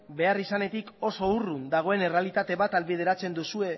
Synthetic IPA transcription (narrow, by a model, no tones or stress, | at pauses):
be̞arisane̞t̪iko̞so̞urund̪aɣ̞o̞e̞ne̞realit̪at̪e̞βat̪alβið̞e̞ɾat͡se̞nd̪usue̞